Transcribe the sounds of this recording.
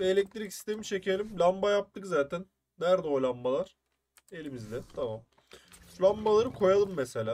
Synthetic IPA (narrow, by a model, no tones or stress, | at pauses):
vɛːlʲɛc̚t̪ʰiɾici̥st̪emit͡ʃecʰe̞lʲimlʲambajap̚t̪ʰɯkzaːt̪ʰænː | æɾd̪ɛo̞jlˠambalˠaɾ̥ | e̞lʲimizlʲɛt̪ʰamam | lʲambalˠaɾɯkʰo̞jalˠɯmːeselʲaː